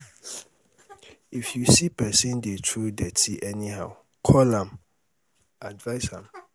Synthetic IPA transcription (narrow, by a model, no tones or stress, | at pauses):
ifjusipʰɛsĩndetʰudɛtʰiʔɛnĩha̰ʊ | kʰɔlãm | advaɪsãm